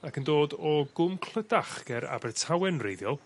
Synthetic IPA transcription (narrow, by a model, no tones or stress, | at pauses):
akʰəndoːdɔɡʊmkʰl̥ˠədaχɡ̥ɛɾa̰bɛrtʰawɛnrejðjɔlˠ